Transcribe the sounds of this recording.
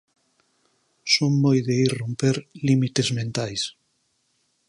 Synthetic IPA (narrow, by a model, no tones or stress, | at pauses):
soŋːojðeirompeɾlimit̪ezmẽnt̪ajs